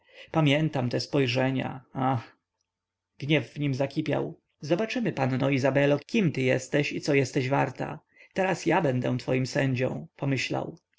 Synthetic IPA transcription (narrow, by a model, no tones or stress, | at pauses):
pamʲjɛnt̪amt̪ɛspɔjʐɛɲa̰ax | ɡ̥ɲɛvːɲimzakʲipʲja̰w | zɔbat͡ʂɘmɘpannɔizabɛlɔkʲimt̪ɘjɛ̰st̪ɛɕit̪sɔjɛst̪ɛʑvaɾt̪a̰ | t̪ɛɾasjabɛnd̪ɛw̃t̪fɔjimsɛɲd͡ʑɔ̰̃w̃pɔmɘɕla̰w